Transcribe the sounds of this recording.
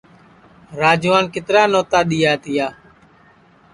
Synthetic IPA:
ɾaːd͡ʒʋaːnkɪt̪ɾaːnoːt̪aːɗɪjaːt̪ɪjaː

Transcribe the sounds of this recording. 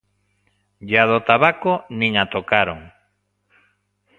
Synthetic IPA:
ʎaðot̪aβakonĩŋat̪okaɾoŋ

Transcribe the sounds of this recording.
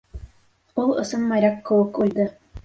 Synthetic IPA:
ulˠɤ̰̆sɤnmɑjɾʲakːɘ̆wɘkuld̪ɤ

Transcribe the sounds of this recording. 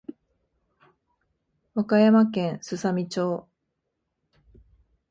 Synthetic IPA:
βakajamakẽ̞ɰ̃sɨsamʲit͡ɕoː

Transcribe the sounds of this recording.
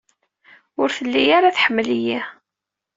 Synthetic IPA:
ʊɾθəlːijaɾaθħəmːəliji

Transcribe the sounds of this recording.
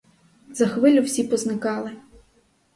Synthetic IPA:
zɐxʋɪlʲʊwsʲipɔznɪkɑlˠɪ

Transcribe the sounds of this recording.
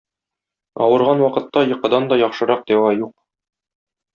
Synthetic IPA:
ɒ̰wɤ̆ɾʁɑnwɒqɤ̆t̪ːɑjɤ̆qɤ̆d̪ɑnd̪ɒjɒχʃɤ̆ɾɑq̚d̪æwɑjuq̚

